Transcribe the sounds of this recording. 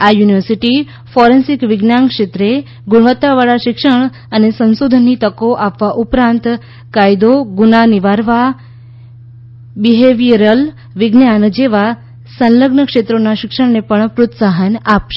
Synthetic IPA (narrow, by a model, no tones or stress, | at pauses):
ajuniʋəɾsiʈi | fɔɾensikʋɪɡnjaŋkʂet̪ɾe | ɡʊɽʋət̪ːaʋaɭaʃɪkʂəɳ̃ | ənesənsod̪ʱənːit̪əkoʔapʋaʔupɾãnt̪ | kajd̪oɡunaniʋaɾʋa | biɦeʋiɾəl | ʋɪɡnjand͡ʒeʋa | sənləɡnəkʂet̪ɾonaʃɪkʂəɳnepəɳpɾot̪saɦənapʃe̥